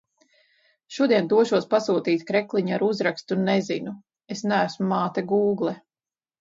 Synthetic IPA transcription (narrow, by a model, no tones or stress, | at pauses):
ʃuɔd̪iɛnd̪uɔʃuɔspasuːt̪iːt̪ʲkɾɛklˠiɲuaɾuzɾakst̪unːezḭnu | esnæːsmumaːt̪ɛɡuːɡlˠɛ